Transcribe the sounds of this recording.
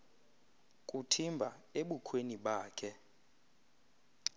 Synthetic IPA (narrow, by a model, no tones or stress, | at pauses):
kʼutʰimbʱaeɓukʰweniɓaːkʰɛ